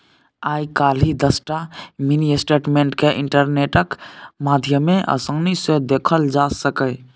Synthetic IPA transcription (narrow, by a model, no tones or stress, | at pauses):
ajkalid̪əsʈaminiesʈeʈmẽɳʈkeʔiɳʈəɾneʈəkmad̪ʱjəmeʔə̰sə̃ŋnised̪ekʰəld͡ʒasəkə